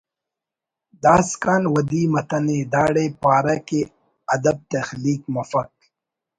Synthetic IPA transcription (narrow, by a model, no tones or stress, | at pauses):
d̪aːskaːnwɐd̪iːmɐt̪ɐned̪aːɽepaːɾɐke | ɐd̪ɐb̚t̪ɐxliːkmɐfɐk̚